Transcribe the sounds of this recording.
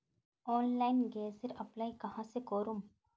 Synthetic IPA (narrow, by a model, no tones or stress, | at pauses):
oːnlɐɪnɡeːsɪɾɐplɐjkɐɦãsekoːɾum